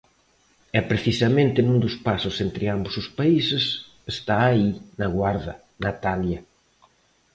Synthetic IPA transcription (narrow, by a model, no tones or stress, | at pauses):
ɛpɾeθisɐmẽnt̪ɪnũnd̪ʊspasʊsent̪ɾɪambosʊspaisɪs | est̪aːinaɣwaɾðɐ | nat̪aljɐ